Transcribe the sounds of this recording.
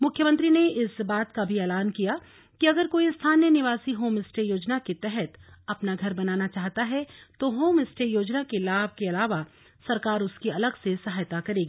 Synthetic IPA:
mʊkʰjəmə̃nt̪ɾineɪsbaːt̪kabʱiɛːlaːnkija | kiɐɡəɾkoːist̪ʰaːnjənɪʋaːsiɦoːmɪsʈejoːd͡ʒnaket̪ɛɦɛt̪ɐpnaɡʱɐɾbɐnaːnat͡ʃaːɦt̪aɦɛt̪oɦoːmɪsʈejoːd͡ʒnakelaːb̚ʱkeɐlaːʋa | sɐɾkaːɾʊskiɐləɡsesɐɦaːjt̪akɐɾeːɡiː

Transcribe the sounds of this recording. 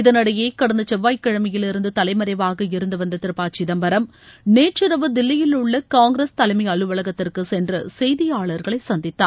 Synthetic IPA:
ɪðɐnɐɽɐjeːkɐɽɐnd̪ɐt͡ʃɛʋːaːjkːɐɻɐmɐjɪlɪɾɯnd̪ɯt̪ɐlɐɪmɐɾɐɪʋaːɣɐɪɾɯnd̪ɯʋɐnd̪ɐt̪ɪɾɯpaːt͡ʃɪðɐmbɐɾɐm | neːʈt͡ʃɪɾɐʋɯd̪ɪlːɐjɪlɯɭːɐkaːŋɡɾɐst̪ɐlɐɪmɐɪɐɻɯʋɐɭɐɣɐt̪ːɪrkɯsɛndrɐsɛjðɪjaːɭɐɾɣɐɭɐɪsɐnd̪ɪt̪ːa̰ːɾ

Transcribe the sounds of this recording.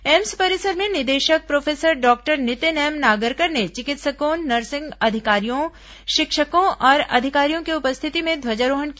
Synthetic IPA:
ɛmspɐɾɪsəɾmẽnɪd̪eːʃək̚pɾoːfʰeːsəɾɖɔːk̚ʈəɾnɪt̪enɛːmnaːɡəɾkəɾnet͡ʃɪkɪt̪səkoːnːɐɾsɪ̃ŋɡɐd̪ʱɪkaːɾijõ | ʃɪkʃəkõʔɔːɾɐ̰d̪ʱɪkaːɾijõkiʊpəst̪ʰɪt̪imẽd̪ʱwɐd͡ʒaɾoːɦənk

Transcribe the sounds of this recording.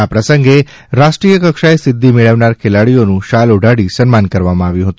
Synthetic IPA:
apɾəsəŋɡe | ɾaʂʈɾijəkəkʂaesɪd̪ʱːimeɭəʋnaɾkʰelaɽijonũʃaloɖʱaɽisənmankəɾʋamãaʋjũɦət̪ũ

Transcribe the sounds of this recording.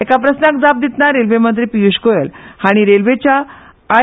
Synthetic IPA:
ekapɾəsnak̚d͡zap̚d̪it̪naɾelʋemənt̪̬ɾipijuɕkojəlhaɽ̃iɾelʋet͡ɕjaː

